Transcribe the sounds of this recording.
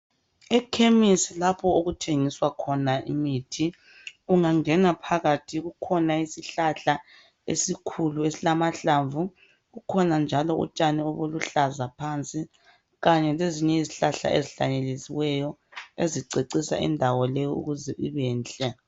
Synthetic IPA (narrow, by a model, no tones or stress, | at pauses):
ɛkʰemisilapʰɔoɣutʰeŋiswakʰɔnaʔimiːtʰi | uŋaŋɛnapʰaɣatʰiɣukʰɔnaisiɬaɬa | ḛsikʰuluesilamaɬaɱvu | ɣukʰɔnand͡ʒʱalɔṵt͡ʃʼaniɔβoluɬazapʰant͡sʼi | ɣaɲɛleziɲɛiziɬaɬa̰ʔḛziɬa̰ɲeliziwɛjɔeziǀeǀisa̰ḭndʱawɔlɛjɔṵɣuzɛʔiβɛːnt͡ɬʼɛ